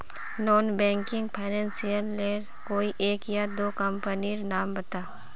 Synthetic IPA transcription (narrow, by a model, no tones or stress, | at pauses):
nɔːnbɛ̃ːŋkɪ̃ŋɡpʰaːnɛ̃ːnsijəlːeːɾ | koːiʔeːkjad̪oːkɐmpəniɾnaːmbɐt̪aː